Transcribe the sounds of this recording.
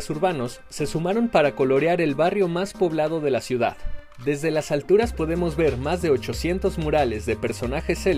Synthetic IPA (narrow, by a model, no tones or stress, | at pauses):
suɾβano̞sːe̞sumaɾo̞mpaɾako̞lo̞ɾjaɾe̞lβarjo̞maspo̞βlaðo̞ð̞e̞lasjuða̰ð | d̪e̞zðe̞lasalt̪uɾaspo̞ð̞e̞mo̞zβe̞ɾmazðe̞ot͡ʃo̞sjent̪o̞zmuɾale̞zðe̞pe̞ɾso̞naxe̞se